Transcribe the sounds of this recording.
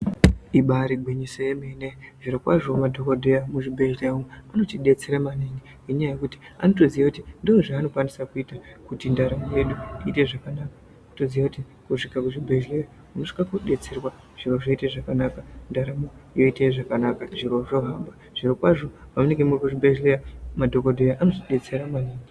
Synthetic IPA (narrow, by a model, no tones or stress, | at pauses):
iɓaɾiɡʱwiɲisojemeneʐiɾokwaʐomadʱokodʱejamuʐibʱe̞ʒleuano̞tiɗe̞t͡seɾamaniŋɡi | eɲajajekuti̥a̰no̞to̞zijakutindooʐaːno̞kwanisakuitakutindaɾamoje̞ɗuiːte̞ʐakanaka | otozijakuti | kuʂikakuʐibʱeʒleja | unoʂi̥kakoɗe̞t͡serwa | ʐ̥iroʐoiteʐakanakandaɾamojo̞iteʐakanakaʐiro̞ʐo̞ɦamba | ʐ̥irokwaʐo̞pamune̞ŋɡe̞murikuʐibʱeʒlejamadʱo̞kodʱe̞jaʔano̞tiɗe̞t͡se̞ɾamaniːŋɡi